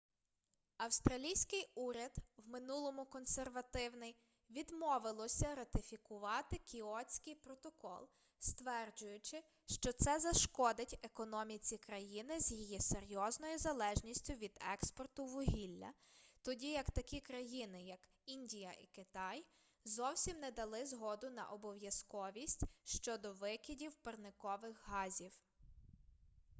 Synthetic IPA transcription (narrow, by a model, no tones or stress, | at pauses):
ɐwst̪ɾɐlʲijsʲkɪjuɾʲɐd̪wmɪnulˠɔmʊkɔnserʋɐt̪ɪwnɪj | ʋʲid̪mɔʋɪlˠɔsʲɐɾɐt̪ɪfʲikʊʋɑt̪ɪkʲiɔt͡sʲkɪjpɾɔt̪ɔkɔ̰lˠ | st̪ʋɛrd͡ʒʊjʊt͡ʃɪ | ʃt͡ʃɔt̪sɛzɐʃkɔd̪ɪtʲekɔnɔmʲit͡sʲikɾɐjinɪzʲjijiseɾʲjɔznɔjizɐlˠɛʒnʲisʲtʲʊʋʲid̪ɛ̰kspɔrt̪ʊʋʊɦʲilʲːɐ̰t̪ɔdʲijɐkt̪ɐkʲikɾɐjinɪjɐk | inʲdʲijɐʔḭkɪt̪ɑj | zɔwsʲimnɛd̪ɐlˠɪzɦɔd̪ʊnɐ̰ʔɔbɔʋjɐskɔʋʲisʲtʲʃt͡ʃɔd̪ɔʋɪkʲidʲiwpɐrnɪkɔʋɪxɦɑzʲiw